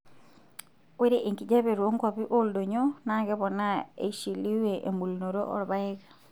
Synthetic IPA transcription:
we˦ɾe˦ʔe˨ŋki˨d͡ʒa˦βe˨ɾwo˦ŋkɔ˨bi˦ʔo˦ldo˨ɲo˦na˦ɡɛ˦βɔ˨na˦ḛ˨ʃi˨li˦we˨ʔḛ˨mbu˨lno˨ɾo̰˦ʔɔ̰˨ɾba˦ɛ˦kḁ˨

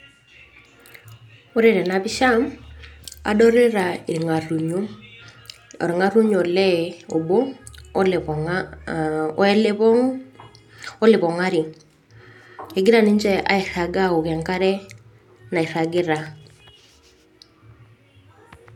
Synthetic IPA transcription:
o˦ɾe˦˨ɾɛ˨na˨pi˦ʃa˦m | a̰˦dɔ˦ɾe˦ɾa˨i˨ɾi˨ŋa˨ru˨ɲo˦ | ɔ̰˨ɾi˨ŋa˦ɾu˦ɲɔ˨lɛ˦o˨bo˦lŋa˨˦ | ɛ˦le˦pɔ˦ŋ | ɔ˦lɪ˨pɔ˨ŋa˦ɾi˨ | e˨ɡi˦ɾa˨ni˦ɲt͡ʃɛ˦a̰˨i˨ɾa˨ɡa˦o˨kɛ˨ŋka˦ɾɛ˦ | na˨i˨ɾa˨ɡi˦ɾa˨

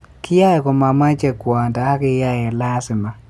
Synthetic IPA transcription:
kɪ˦ja˦jɛ˨kɔ˨ma˨ma˦t͡ʃɛ˨kwa˨nta˨a˦kɪ˧ja˦ɛ˨la˦sɪ˨ma˨

